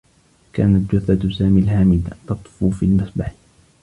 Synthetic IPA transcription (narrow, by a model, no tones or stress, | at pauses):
ka̰ːnat̪̚d͡ʒʊθat̪saːmiːlhaːmibt̪ɑt̪ˤfufiːlmasˤbaħ